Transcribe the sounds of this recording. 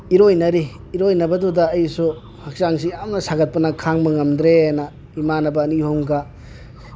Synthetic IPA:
iɾojnɐɾiː | ɾojnɐbɐdudɐːjsu | hak̚saŋsijamnɐsaɡɐt̚pɐnɐkʰaŋmɐŋɐmd̪ɾenɐ | imanɐbɐːnihoŋɡɐ

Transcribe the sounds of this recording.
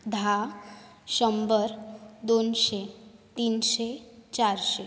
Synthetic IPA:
d̪ʱa | ʃəmbəɾd̪onʃet̪inʃet͡ʃaɾʃe

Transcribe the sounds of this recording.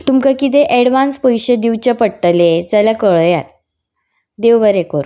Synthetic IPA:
t̪umkakit̪eʔɛɽʋanspɔjɕəd̪iʋt͡ɕapəɽʈəled͡zaljakəɭjat̪ | d̪eʋʋəɾekəɾu

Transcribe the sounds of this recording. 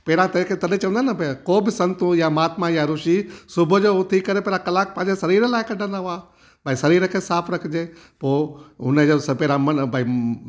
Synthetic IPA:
pɛːɾãt̪ɐkʰet̪ɐɗẽt͡ɕɐ̃ʋə̃nd̪anɐbʱekoːbɪsɐ̃nt̪ujamaːt̪majaɾʊʃisʊbʱʊ̆d͡ʑoːʊt̪ʰikɐɾepeːɾãkɐlaːk̚pɐ̃ɦɪ̃ɲd͡ʑesɐɾiːɾəlaːɪkɐɖʱə̃nd̪aɦʊaː | baːĩsɐɾiːɾəkʰeːsaːpʰɾɐkʰɪd͡ʑeː | poːʊnəd͡ʑospeːɾãmɐbai

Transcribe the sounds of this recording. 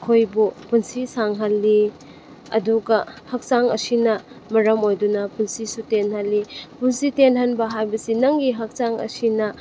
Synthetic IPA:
kʰojbupunsisaŋɦalːi | ɐ̰duɡɐhɐk̚saŋɐ̰sinɐ | mɐɾɐmojdunɐpunsisutenhalːipunsitenhanbɐɦajbɐsinɐŋɡiɦɐk̚t͡ʃaŋɐ̰sinɐ

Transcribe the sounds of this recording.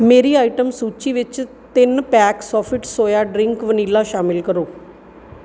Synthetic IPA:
meːɾiːaːɪʈəmsuːt͡ʃiʋɪt͡ʃ | t̪ɪnpɛːksɔːfʰɪʈsoːjaɖɾɪŋkʋənilaʃaːmɪlkəɾoː

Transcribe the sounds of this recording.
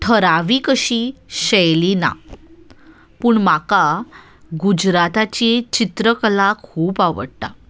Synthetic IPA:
ʈʰəɾaʋiːkəɕiːɕɛjlina̰ | puːɳmaka | ɡud͡ʑɾat̪at͡ɕet͡ɕit̪ɾəklakʰuːpaʋə̰ɽt̪a

